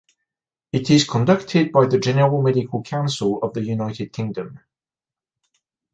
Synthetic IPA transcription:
ɪtɪz̥kʰə̃ndʌk̚tʰɪd̚baɪðəd͡ʒɛnəɹəlˠmɛdɪkʰəlˠkʰãʊ̃nsəlˠəvðəjʉnaɪtɪd̚kʰɪ̃ŋdə̃m

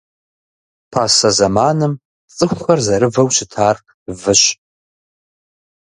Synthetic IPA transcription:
pʰaːsɐzɐmaːnɨm | t͡sʼɨxʷxɐrzɐɾɨvɐwɕɪtʰaːr | vɨɕ

